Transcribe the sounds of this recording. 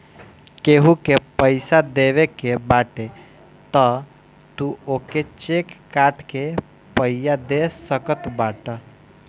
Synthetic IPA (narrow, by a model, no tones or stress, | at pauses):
keɦukepəɪsad̪eːʋekebaːʈe | t̪ə | t̪uoːket͡ʃekːaːʈke | pəɪjad̪esəkət̪baːʈə